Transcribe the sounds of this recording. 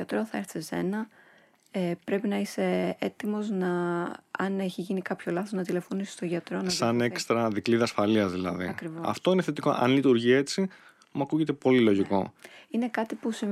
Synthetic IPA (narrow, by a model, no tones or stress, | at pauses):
ɐt̪ɾoθɐeɾθese̞̰nɐ | epɾe̞pinɐise̞et̪imo̞znɐɐ̰ne̞çiʝinikɐpço̞lɐθoznɐt̪ile̞fo̞nisi̥st̪oʝɐt̪ɾo̞nɐsɐne̞kst̪ɾɐðikliðɐːsfɐliɐzðilɐ̰ðḭkɾivoɐ̰ft̪o̞ineθet̪iko̞̰ʔɐ̰nlit̪uɾʝie̞t͡si | mɐkuʝe̞t̪e̞po̞lilo̞ʝiko̞̰ine̞kɐt̪ipusi